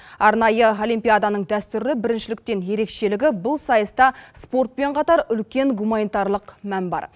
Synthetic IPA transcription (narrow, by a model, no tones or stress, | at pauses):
ɑɾnɑjəo̞lijmpʲijad̪ɑnəɴd̪æst̪ʏɾlɪbɪɾɪnʃɪlɪk̚t̪e̞nje̞ɾe̞kʃe̞lɪɡʲɪbʊlˠsɑjəst̪ɑspo̞ɾt̪̚pe̞ɴqʰɑt̪ɑɾʏlkʲe̞ŋɡumanijt̪ɑɾlˠəqmænbɑ̰ɾ